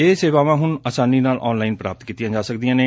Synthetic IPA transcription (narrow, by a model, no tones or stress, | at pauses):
eːseːʋaːʋãːɦʊnaːsaːniːnaːlʔɔ̰ːnlaːɪnpɾaːpət̪kiːt̪ɪjãːd͡ʒaːsək̚d̪ɪjãːneː